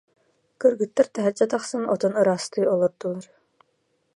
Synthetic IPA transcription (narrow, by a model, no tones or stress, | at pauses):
kɯɾɡɯt̪ːaɾt̪ɛɦɛɾd͡ʒat̪aχsɯnɔt̪ɔnɯɾaːst̪ɯjɔlˠɔɾd̪ulˠaɾ